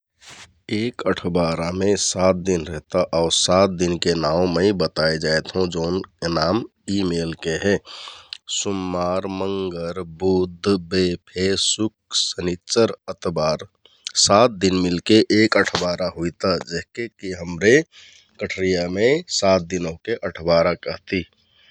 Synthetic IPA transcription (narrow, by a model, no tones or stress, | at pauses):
eːkəʈʰbaɾamẽsaːt̪̚d̪inɾɛɦt̪aʔɔːɾsaːt̪̚d̪inkenãːũmɛ̃ibət̪aed͡ʒaːet̪ɦũd͡ʒoːnnaːm | imeːlkeɦɛ̃ | sʊmːaːɾməŋɡəɾbud̪ʱbepʰesʊk̚sənit͡ʃəɾət̪baːɾ | saːt̪̚d̪inmɪlkeʔeːkəʈʰbaːɾaɦuit̪ad͡ʒeɦkekiɦəmɾe | kəʈʰɾijamẽsat̪̚d̪inõkeʔəʈʰbaɾakəɦt̪i